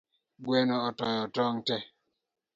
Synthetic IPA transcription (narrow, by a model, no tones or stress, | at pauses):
ɡwɛnɔɔtɔjɔtɔŋtɛ